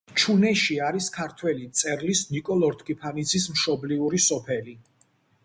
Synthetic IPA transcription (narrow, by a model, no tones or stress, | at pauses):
t͡ʃʰunɛʃiaɾiskʰaɾt̪ʰwɛlit̪sʼɛɾlisnikʼɔlˠɔɾt̪ʰkʰʼipʰanid̪sʰismʃɔbliuɾisɔpʰɛli